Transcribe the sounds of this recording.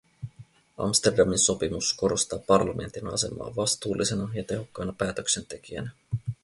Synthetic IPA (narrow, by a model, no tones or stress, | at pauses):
ɑ̰mst̪e̞rdɑminso̞pimusko̞ɾo̞st̪ɑːpɑrlɑme̞̰nt̪inɑ̰se̞̰mɑ̰ːʋɑst̪uːlʔise̞nɑjɑt̪e̞ɦo̞kːɑjnɑpæːt̪økse̞nt̪e̞kiæ̰næ